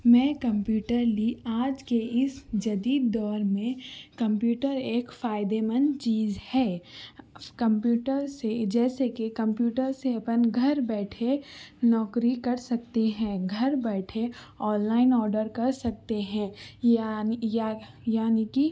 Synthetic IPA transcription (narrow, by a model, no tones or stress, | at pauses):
mɛ̃ːkɐ̃mpjuːʈəɾliaːd͡ʒkeɪsd͡ʒɐd̪iːd̪ːɔːɾmẽkɐ̃mpjuːʈəɾeːkfaːɪd̪emənt͡ʃiːzhɛː | kɐ̃mpjuːʈəɾsed͡ʒɛːsekekɐ̃mpjuːʈəɾseɐpənɡʱɐɾbɛːʈʰenɔːkɾikɐɾsɐk̚t̪eɦɛ̃ːɡʱɐɾbɛːʈʰe | ɔːnlaːɪnɔːɾɖəɾkɐɾsɐk̚t̪eɦɛ̃ːaja | jaːniki